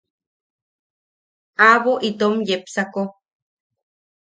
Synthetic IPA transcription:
aβoʔit̪omjepsako

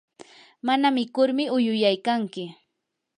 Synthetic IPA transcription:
manamɪkʊɾmɪʊjʊjajkaŋkɪ

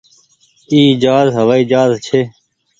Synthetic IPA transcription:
iːd͡ʒaːzɦəʋaːiːd͡ʒaːzt͡ʃʰeː

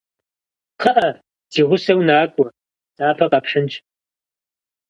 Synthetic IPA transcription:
qʰɐʔɐ | z̥iːʁʷʊsɐwnaːkʷʼɔ | zʼaːpʰɐqʼaːpʂɨnt͡ʃʰʼ

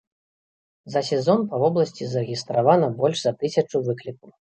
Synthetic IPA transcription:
zɐsʲɛzɔnpɐvɔblˠɐsʲt͡sʲizɐɾɨɣʲist̪ɾavanɐbɔlʲʐzɐt̪ɨsʲɐt͡ʂuvɨklʲikuw

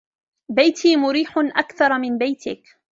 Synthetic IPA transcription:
bajt̪ʰiːmʊɾiːħʊnʔakθɑɾˤmɪnbajt̪ɪk

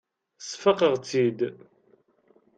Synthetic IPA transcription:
sfəqəʁt͡sːid̪

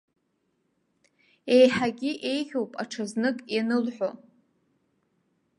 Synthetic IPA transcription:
e̞jħaɡʲiʔe̞jχʲowpʼaʈ͡ʂʰaznɨkʼjanɨlħʷᶣo

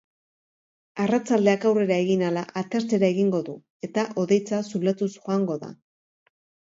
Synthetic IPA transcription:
arat͡sald̪e̞akawre̞ɾae̞ɣinalaʔat̪eɾt͡se̞ɾae̞ɣiŋɡo̞ðu | e̞t̪aʔo̞ðe̞jt͡sasulat̪usxoaŋɡo̞ða̰

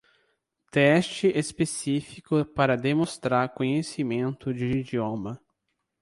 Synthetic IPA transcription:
t̪ɛst͡ʃɪʔespesifikʊpaɾɐd̪emõst̪ɾaɾkõɲesimẽnt̪ʊd͡ʒɪid͡ʒiõmɐ

